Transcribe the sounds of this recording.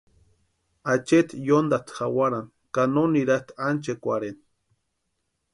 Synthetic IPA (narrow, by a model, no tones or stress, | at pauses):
at͡ʃet̪jond̪at̪xawaɾan | kanoniɾat̪ant͡ʃekʷaɾen